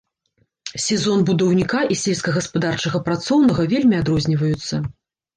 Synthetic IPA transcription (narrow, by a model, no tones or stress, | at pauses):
sʲɛzɔnbud̪ɐwnʲikaʔisʲɛlʲskɐɣɐspad̪art͡ʂɐɣɐpɾat̪sɔwnɐɣɐvʲelʲmʲiad̪ɾɔzʲnʲivɐjut̪sːɐ